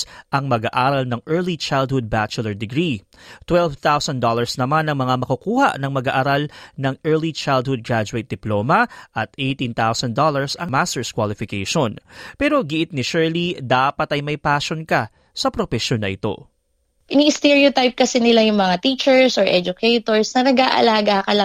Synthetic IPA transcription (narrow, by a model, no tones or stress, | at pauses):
ʔɐŋmɐɡaʔaːɾɐlnɐŋʔɛɹlit͡ʃajld̪̚hʊd̪̚bat͡ʃʊlɐɹd̪ɪɡɾi | t̪wɛlvt̪awsɐnd̪olɐɹsnɐmanɐŋmɐŋamɐkukuːha̰ʔnɐŋmɐɡaʔɐɾalnɐŋʔɛɹlit͡ʃajld̪̚hʊd̪̚ɡɹad͡ʒʊejt̪̚d̪ɪploːmɐʔɐt̪ʔejt̪ĩnt̪awsɐnd̪olɐɹsɐŋmast̪ɛɹskwalɪfɪkejʃonpɛːɾo̞ɡɪʔɪt̪̚nɪʃɛɹlid̪aːpɐt̪ɐjmɐjpaːʃo̞nkɐ | sɐpɾofɛʃjonɐʔɪt̪o̞̰ | ʔɪniɪst̪ɛɹiot̪ajp̚kɐsɛnɪlajʊŋmɐŋat̪iːt͡ʃɛɹsɔɹʔɛd͡ʒʊkʰejt̪oɹsnɐnɐɡaːʔɐ̰laːɡakɐl